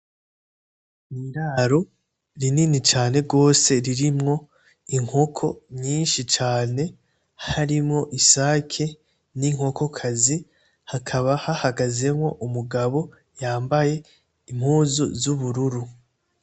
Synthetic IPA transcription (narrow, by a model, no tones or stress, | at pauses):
niɾaːɾo̞ | ɾininit͡ʃaːne̞ɾɡo̞ːse̞ɾiɾimŋo̞ | iŋ̥o̞kʰo̞ɲiːnʃit͡ʃaːne̞ | haɾimŋo̞ʔisaːkʰe | niŋ̥ho̞ko̞kʰazi | hakʰaβahahaɡaze̞mŋo̞ʔumuɡaβo̞ | jaːmbaje̞ | im̥huːzṵzuβuɾuɾu